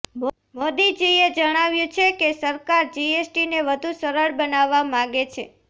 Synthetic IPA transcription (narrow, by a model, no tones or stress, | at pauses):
m | mod̪id͡ʒied͡ʒəɽ̃aʋjũt͡ʃʰekesəɾkaɾd͡ʒiesʈineʋəd̪ʱũsəɾəɭbənaʋːamãɡet͡ʃʰe